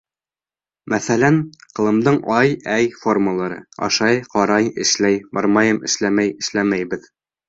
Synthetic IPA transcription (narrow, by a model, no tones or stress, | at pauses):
mʔæθælænqɤ̆lˠɤ̆md̪ɤɴɑjæjforməlˠɑɾɤ̰ɑ̰ʃɑjqɑɾɑjɘ̆ʃlæjbɑ̰ɾmɑjɤmʔɘ̆ʃlæmæjɘ̆ʃlæmæjbɘð